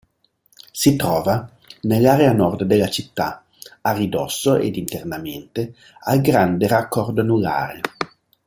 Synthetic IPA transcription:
sit̪ɾɔːva | nelːaɾeanɔrd̪d̪elːat͡ʃit̪ːa̰ | arid̪ɔsːoʔḛd̪int̪ernament̪e | alɡɾand̪erakʰːɔrd̪onula̰ːɾḛ

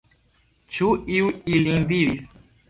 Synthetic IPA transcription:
t͡ʃuiuilinviɾis

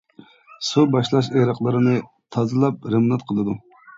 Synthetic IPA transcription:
subɑʃlˠɑʃ̬eɾɑqlˠɨɾɨnɨ | t̪ʰɑzɨlˠɑp̚ɾɨmnɑt̪̚qʰəlˠɨd̪u

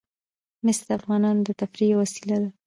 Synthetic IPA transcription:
mɪsɾafɣɑnɑnd̪ət̪afɾijawasilad̪a

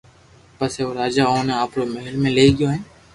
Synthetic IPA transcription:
pəseoːɾaːd͡ʒaːoːnːaːpɽoːməɦɪlmẽːleːɡɪjoːɦɪn

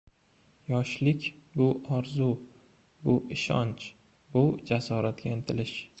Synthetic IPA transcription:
jɒʃlɪkʲbʊʔɒɾzu | bʊʔɪʃɒ̰nt͡ʃ | bʊd͡ʒasɒɾat̪̚ɡʲaent̪ʰɪlɪʃ

